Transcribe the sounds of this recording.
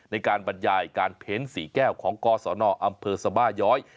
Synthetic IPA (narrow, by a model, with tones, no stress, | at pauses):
na˧jkaː˧nba˧njaː˧˩jkaː˧npʰe˦˥nsiː˩˦kɛː˥˩wkʰɔː˩˦ŋkɔː˧sɔː˩˦nɔː˧ʔa˧mpʰɤː˧sa˧baː˥˩jɔː˦˥j